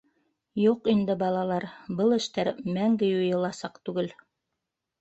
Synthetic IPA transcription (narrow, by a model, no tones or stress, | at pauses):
juqind̪ɘbɑlˠɑlˠɑɾbɤlˠɘ̆ʃt̪æɾmæŋɡɘjŏjɤ̆lˠɑsɑqt̪ʉɡɘl